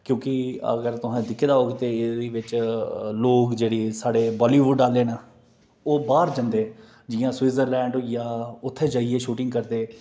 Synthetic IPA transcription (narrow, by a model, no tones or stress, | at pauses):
kjõːkɪə̰ɡəɾt̪ʊɦɛ̃ːd̪ɪkʰːeːd̪aːɦoːɡeːt̪eːɪd̪iːʋɪt͡ʃloːkd͡ʒeːɽiːsaːɽeːbɔːliːʋʊɖːaːlːeːnaː | oːbaːɾd͡ʒə̃nd̪eː | d͡ʒɪjãːswiːzəɾlɛ̃ːɳɖjaːʊt̪ʰːeːd͡ʒaːiːeːʃuːʈɪ̃ŋɡkəɾd̪eː